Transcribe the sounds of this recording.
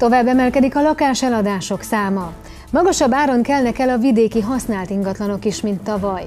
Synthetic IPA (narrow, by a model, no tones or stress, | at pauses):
t̪o̞vaːbːɛmɛlkɛd̪ikɒlɒkaːʃɛlɒd̪aːʃo̞ksaːmɒ | mɒɡɒʃɒbːaːɾo̞ŋkɛlnɛkɛlɒvid̪eːkiɦɒsnaːlt̪iŋɡɒt̪lɒno̞kiʃmint̪ːɒvɒj